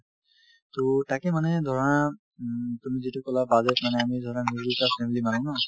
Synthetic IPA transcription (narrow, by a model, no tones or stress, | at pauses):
tɔtakɛmanɛdʱɔɹɔna | tumizitukɔlabazɛtmanɛamidʱɔɹɔnamiɡɹitapʰɛmilimanɔna